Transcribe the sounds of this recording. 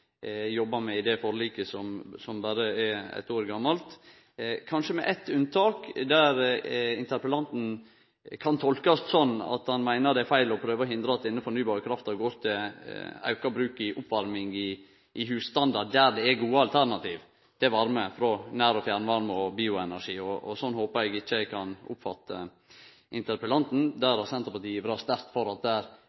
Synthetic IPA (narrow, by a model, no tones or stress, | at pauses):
jɔbːɑmɛɪd̪ɛfɔɾliːkəsɔmsɔmbɑɾəɛɾɛ̰t̪ːoːɾɡɑmːɑlt̪ | kʰɑnʂəmɛ̰ʔɛt̪ʉnt̪ʰɑːkd̪æɾɪnt̪ʰəɾpəlɑnt̪n̩ | kʰɑnt̪ʰɔlkɑst̪sɔnːɑ̰t̪hɑnmæɪnəɖ̪ɛæfæɪlɔpʰɾøːʋəɔɦɪnd̪ɾɑt̪ɪnːəfɔɳyːbɑːɾəkʰɾɑft̪ɑʋɡoːɾt̪ʰɪlɑ̰ʉkɑbɾʉːkɪʔʊpʋɑɾmɪŋɪ | ʔɪhʉːsst̪ɑnd̪ɑɖd̪æɾd̪ɛɛɡuːəɑlt̪ʰæɾɳɑt̪ʰiːʋ | t̪ʰɪʋɑɾməfɾɔnæːɾɔfjæːɾnəʋɑɾməɔbiːʊɛnæʂiːɔɔ̰sɔnːhoːpəɾɛɡɪt͡ʃːəkʰɑnʊ̰pfɑt̪ːə | ɪnt̪əɾpəlɑnt̪n̩d̪æɾɑsɛnt̪əpɑʈiːʋɾɑst̪æɾkt̪fɔɾɑt̪̚d̪æːɾ